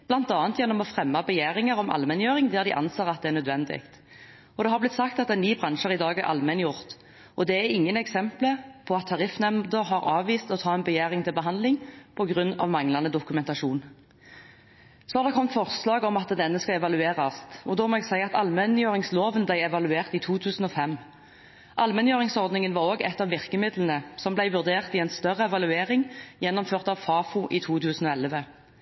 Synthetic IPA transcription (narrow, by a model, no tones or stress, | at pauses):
b̥lɑnt̪ɑːnt̪jɛnːɔmɔfʁɛmːɑbɛjæːʁɪŋɑɾɔmʔɑ̰lmɛnjøːʁɪŋd̪æːʁd̪ɪʔɑ̰nseːʁɑt̪d̪ɛæʁnœd̪ʋɛnd̪ɪ̰kt̪ | ɔd̪ɛɦɑʁblɪt̪ːsɑkt̪ɑt̪ɛnːyːbʁɑnʃəʁɪd̪ɑːɡæʁʔɑ̰lmɛnjʊʁt̪ | ɔd̪ɛæɪŋːənɛksɛmpləpʰɔɑt̪ʰːɑʁɪfnɛmd̪əɦɑʁɑːʋʋiːst̪ɔt̪ʰɑːɛnbɛjæːʁɪŋt̪ʰɪlbəɦɑnd̪lɪŋpʰɔɡʁʉnːɑ̰ʋmɑŋlɑnəd̪ʊkʉmɛnt̪ɑʂuːn | sɔhɑʁd̪ɛkʰɔmt̪fɔʁslɑːɡɔmɑt̪d̪ɛnːəskɑɛʋɑlʉeːʁɑst̪ɔd̪oːmɔɛɡsæɪɑt̪ɑlmɛnjøːʁɪŋsloːʋənblæɪɛʋɑlʉeːʁt̪iːt̪ʰuːt̪ʰʉːsən̩ɔfɛmː | ʔɑlmɛnjøːʁɪŋsɔʁd̪nɪŋənʋɑʁoːɡɛt̪ːɑʋɪʁkəmɪd̪lən̩əsɔmblæɪʋʉʁd̪eːʁt̪ɪɛnst̪œʁəɛʋɑlʉeːʁɪŋjɛnːɔmføːʁt̪ɑʋfɑːfʊʔit̪ʰuːt̪ʰʉːsn̩ɔɛlʋə